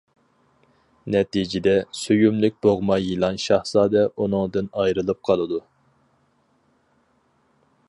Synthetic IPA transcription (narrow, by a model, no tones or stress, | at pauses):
nɛt̪id͡ʒɪd̪ɛsyjymlyk̚ʲb̥oʁmɑjilˠɑnʃɑhsɑːd̪ɛʔunɨŋd̪ɨnɑjɾɨlˠɨp̚qʰɑlˠɨd̪u